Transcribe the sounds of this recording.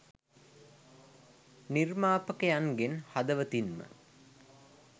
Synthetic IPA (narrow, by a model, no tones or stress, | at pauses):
nirmaːpəkəjaŋɡenhad̪əʋət̪inmə̰